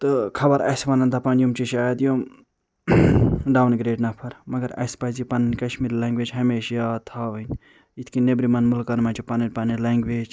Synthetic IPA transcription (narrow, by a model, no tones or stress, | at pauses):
t̪ɨkʰɐbɐɾɐ̰spɐnɐnd̪apɐnjumt͡ʃiʃaːjɐd̪jom | ɖaːwnɡɾeːɖnɐpʰɐɾmɐɡɐɾɐ̰spɐzipɐnɐnkɐʃmiɾlɛ̃ːŋɡʋeːd͡ʒɦɐmeːʃjaːt̪ʰaːʋɐnʲ | it̪ʰkinebɾimɐnmulkɐnmɐnt͡ʃipɐnɐɾʲpɐnɐlɐːŋɡʋeːd͡ʒ